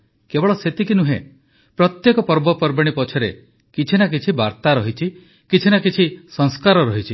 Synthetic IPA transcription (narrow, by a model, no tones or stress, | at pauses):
kebɔɭɔset̪ikinuɦḛ̃ | pɾɔt̪jekɔpɔɾbɔpɔɾbɔɽ̃ipɔt͡ʃʰɔɾe | kit͡ʃʰinak̬it͡ʃʰibaɾt̪aɾɔɦit͡ʃʰi | kit͡ʃʰinakit͡ʃʰisɔŋskaɾɔɾɔɦit͡ʃʰi